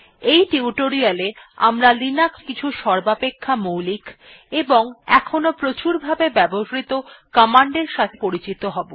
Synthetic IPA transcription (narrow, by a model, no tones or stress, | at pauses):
ejʈiuʈoɾialea̰mɾalinakskit͡ɕʰuʃɔɾbapekʰːamowlik | eboŋɛ̰kʰonopɾot͡ɕuɾbʱabebɛboʃɾit̪okɔmaɳɖeɾʃat̪ʰe̥poɾit͡ɕit̪oɦɔbo